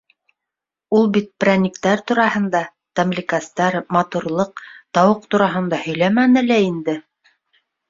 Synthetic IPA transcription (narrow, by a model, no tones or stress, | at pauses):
ulˠbit̪̚pranʲikt̪æɾt̪uɾɑhɤ̆nd̪ɑ | t̪amlʲikast̪ɑɾmɑt̪uɾlˠɤq̚t̪ɑwɤq̚t̪uɾɑɦɤ̆nd̪ɑhɵ̆jlæmænɘ̆læind̪ɘ